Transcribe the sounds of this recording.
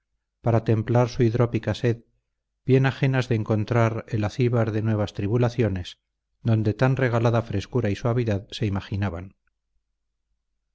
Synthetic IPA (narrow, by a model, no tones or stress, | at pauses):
paɾat̪e̞mplaɾsuiðɾo̞pikase̞ð | b̥je̞naχe̞nazðeːŋko̞nt̪ɾaɾe̞laθiβaɾðe̞nwe̞β̞ast̪ɾiβulaθjo̞ne̞s | d̪o̞nd̪e̞t̪anre̞ɣalaðafɾe̞skuɾaiswaβiðaðse̞imaχinaβan